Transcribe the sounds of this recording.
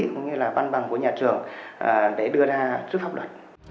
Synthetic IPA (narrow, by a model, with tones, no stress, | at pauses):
ḭ˧˨kə̰˧ŋ͡mɲɨ˧laː˨˩va˧nɓa˨˩ŋvṵ˧˦jɲaː˨˩t͡ɕɨ˨˩əŋʔəː˨˩ɗe˧˩ɗɨ˧əzaː˧sɨ˦˥k̚faː˦˥p̚lwə˨˩t̚